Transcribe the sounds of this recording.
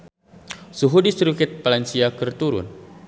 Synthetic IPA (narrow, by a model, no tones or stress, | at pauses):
suɦudisɾukɪt̪̚palansiakərt̪uɾʊ̰n